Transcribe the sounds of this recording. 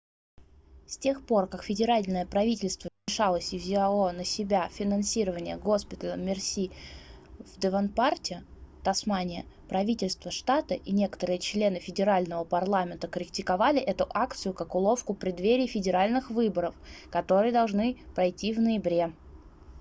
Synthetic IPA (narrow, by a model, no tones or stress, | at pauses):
stʲe̞xpo̞rkakfʲɪdʲɪɾalʲnəjəpɾɐvʲitʲɪlʲst̪vəvmʲɪʂalˠəsʲɪvzʲɪɐonəsʲɪbʲafʲɪnɐnsʲiɾəvənʲɪjəɡo̞spʲɪt̪əlˠəmʲɪrsʲi | vd̪ɨvɐnpartʲɪt̪ɐsmanʲɪəpɾɐvʲitʲɪlʲst̪vəʂt̪at̪əʔinʲe̞kə̥t̪əɾɨjət͡ɕlʲe̞nɨfʲɪdʲɪɾalʲnəvəpɐrlˠamʲɪnt̪əkəɾʲɪk̚tʲɪkɐvalʲɪʔɛt̪ʊʔakt̪sɨjʊkɐkʊlˠo̞fkʊpɾʲɪd̪vʲeɾʲɪːfʲɪdʲɪɾalʲnɨxvɨbəɾəfkɐt̪o̞ɾɨjəd̪ɐlˠʐnɨpɾɐjtʲːivnəjɪbɾʲe̞